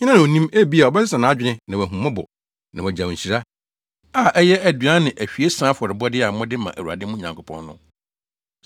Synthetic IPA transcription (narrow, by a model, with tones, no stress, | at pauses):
ɲ̃˦nã˦ñ˨o˨nĩ˦mæ˦bi˦a˨ɔ˨bɛ˦sɪ˦sã˨nã˨˦d͡ʑᶣɪ˦nɪ̃˦nã˨wæ˨ɦũ˨mã˦bɔ̰˨ | nã˨ɛ˨d͡ʑã˨ɕi˨ɾa˦ | a˨ʔɛ˦jɛ˦ʔæ˨dɥa˦nɪ̃˨ʔæ˨ɕᶣi˨e˦sã˦fɔ˨ɾɪ˨bɔ˦dɪ˦a˨m̩˦mɔ̃˦dɪ˦mã̰˨ʔæ̰˨wu˨a̰˨dɪ˦mũ˦ɲã̰˨ŋkʰo˨pʰɔ̰̃˦nːʊ̃˦